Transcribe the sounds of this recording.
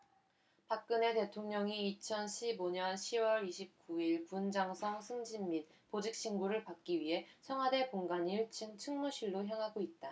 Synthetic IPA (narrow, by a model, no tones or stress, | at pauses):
pak̚k͈ɯne̞te̞tʰoŋɲʌŋiːt͡ɕʰʌnɕʰiboɲʌnɕʰiwʌɾiɕʰip̚k͈uiɭpund͡ʑaŋsʰʌŋsʰɯŋd͡ʑimːit̚ | pod͡ʑik̚ɕ͈iŋɡuɾɯɭpak̚k͈iɥiɦe̞t͡ɕʰʌŋwade̞poŋɡaniɭt͡ɕʰɯŋt͡ɕʰɯŋmuɕʰiɭːoçjaŋɦaɡoit̚t͈a